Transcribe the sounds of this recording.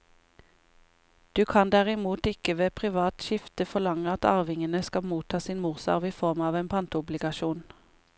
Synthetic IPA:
d̪̥ʉːkʰɑnd̪æʁɪmuːt̪ɪkəʋeːpʰʁɪʋɑːt̪ʃɪft̪əfɔlɑŋəɑt̪ɑ̰ːʁʋɪŋənəskɑmuːt̪ʰɑːsiːnmuːʁsɑ̰ʁʋiːfɔʁmɑːʋeːnpʰɑnt̪əʊblɪɡɑʃuːn

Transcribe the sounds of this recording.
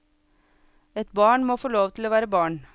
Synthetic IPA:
ɛt̪bɑːɳmoːfoːloːʋt̪ʰɪloːʋæːɾəbɑːɳ

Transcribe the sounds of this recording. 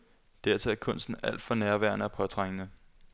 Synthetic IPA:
d̥æɐt͡sʰe̝æɐkʰɔ̽n̰sd̥n̩æl̰d̥fɒ̽næɐʋæɐ̰nəɒpʰɒ̽t͡sʰʁaŋ̰ənə

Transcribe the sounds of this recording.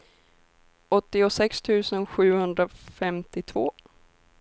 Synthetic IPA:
ɔt̪ːɪɔsɛkst̪ʰʉ̟ːsənɧʉ̟ːhɵnd̪ɾafɛmt̪ɪt̪ʰvoː

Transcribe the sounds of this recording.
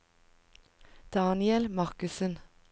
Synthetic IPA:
d̪̥ɑːnɪɛlmɑʁkʉsən

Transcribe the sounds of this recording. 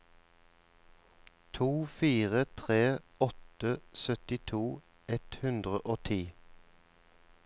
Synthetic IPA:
t̪ʰuːfiːʁət̪ʰʁeːɔt̪əsœt̪ɪt̪ʰuː | ʔɛt̪hʉnd̪ʁəʔoːt̪ʰiː

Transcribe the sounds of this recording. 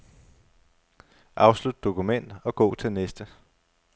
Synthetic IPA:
ʔɑ̈ʊslud̥̚ːo̝kʰumen̰d̥ɒ̽ɡ̥ɔ̰̽ːt͡sʰe̝lnesd̥ə

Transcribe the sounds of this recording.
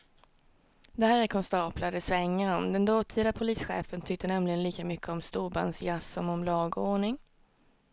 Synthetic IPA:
d̪ɛhæːɾɛɾkʰɔnst̪ɑːpʰlad̪əsvɛŋːəɾɔmd̪ɛnd̪oːt̪ʰiːd̪apʰʊliːsɧḛːfənt̪ʰʏk̚t̪ənɛmlɪɡənliːkamʏkʰːəɔmst̪uːba̰nsjasːɔmɔmlɑːɡoːɳɪŋ

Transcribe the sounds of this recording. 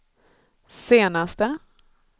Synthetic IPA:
seːnast̪ə

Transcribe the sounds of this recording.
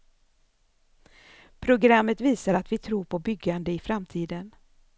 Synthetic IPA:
pʰɾʊɡɾamːət̪viːsaɾat̪vɪt̪ʰɾuːɾpʰɔbʏɡːand̪əɪfɾamt̪ʰiːd̪ən

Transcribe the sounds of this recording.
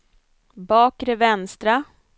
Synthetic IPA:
bɑːkɾɛvɛnst̪ɾa

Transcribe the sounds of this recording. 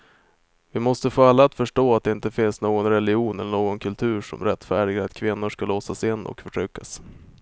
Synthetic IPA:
vɪmɔst̪əfoːalːaːt̪fœʂʈoːat̪̚d̪ɛɪnt̪əfɪnsnoːɡɔnɾɛlɪuːnɛlːəɳoːɡɔnkʰɵlt̪ʰʉ̟ːʂɔ̰mɾɛt̪ːfæːɖɪɡaat̪kʰvɪnːʊʂkalosasɪnːɔ̰kfœʈʰɾʏkːas

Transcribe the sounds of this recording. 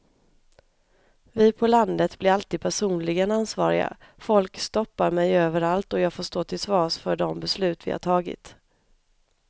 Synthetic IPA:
vɪːpʰɔland̪ət̪blɪɾalt̪iːd̪̚pʰæʂuːnlɪɡənansvɑ̰ːɾɪ̰ɡa̰ | fɔlkst̪ɔpːaɾmɛjøːvəɾalt̪ɔjɑːɡfoːʂt̪oːt̪ʰɪlsvɑːsfœɖɔmbɛslʉ̟ːt̪vɪ̰ha̰ʈʰɑːɡɪ̰t̪

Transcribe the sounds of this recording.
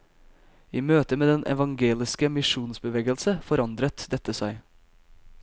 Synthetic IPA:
iːmøːt̪əmeːd̪ɛnʔɛ̰ʋɑŋɡeːlɪskəmɪʂuːnsbəʋeːɡəlsəfɔɾɑnd̪ɾət̪d̪ɛt̪ːəsæɪ

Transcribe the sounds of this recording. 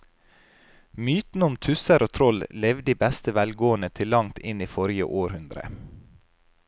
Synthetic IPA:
myːt̪n̩ʊmt̪ʰʉsəɾoːt̪ʰɾɔllɛʋd̪iːbæst̪əʋælɡoːənət̪ʰɪlːɑŋt̪ʰɪniːfɔɾjə̰ʔoːɾhʉnd̪ɾə̰

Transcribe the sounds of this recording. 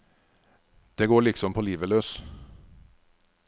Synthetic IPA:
d̪̥eːɡoːɭɪksɔmpʰoːliːʋəløːs

